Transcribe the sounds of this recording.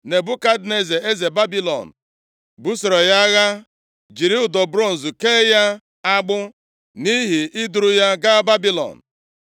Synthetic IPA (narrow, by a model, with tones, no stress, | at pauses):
ne˨bʊ˦ka˦dne˦ze˨e˦ze˨ba˦bi˦lɔ̰˨n̩˨ | bu˦sɔ˨ɾɔ˨ja˦ɣa˦ | d͡ʒi˨ɾi˦ʊ˨dɔ˨bɾo˦˨n̩˨zu˨keː˦ja˦ | a˦ɡ͡bʊ˦ | ni˦ɦi˨ʔɪ˦dʊ˨ɾʊ˦ja˦ɡa˦ba˦bi˦lɔ̰˨n̩˨